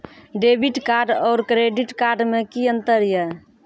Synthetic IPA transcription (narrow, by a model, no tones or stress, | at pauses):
ɖebiʈkaɾɖɔɾkɾeɖiʈkaɾɖmekiənt̪əɾjə